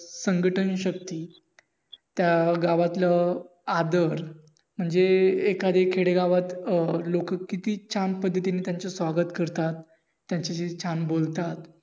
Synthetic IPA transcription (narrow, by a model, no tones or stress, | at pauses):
səŋɡəʈʰənɕək̚t̪iː | t̪jaɡaʋat̪ləad̪əɾ | m̤əɳd͡zeekad̪ʱekʰeɽeɡaʋat̪lokəkːit̪iːt͡ɕanpəd̪ʱːət̪ineːt̪jaɲt͡sesʋaɡət̪kəɾt̪at̪ː | jaɲt͡ɕaɕit͡ɕʰanbolt̪at̪